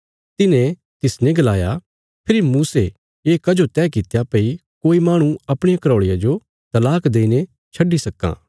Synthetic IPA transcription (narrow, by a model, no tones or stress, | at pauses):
t̪ɪnẽ | t̪ɪsnẽɡɐlaːja | pʰɪɾimuːse | eːkɐd͡ʒot̪ɛːkɪt̪japɐikoːimaːɽ̃ũɐpɽ̃ejakɐɾoːɭɪjad͡ʒo | t̪ɐlaːkd̪eːine | t͡ʃʰɐɖːisɐkːã̰ː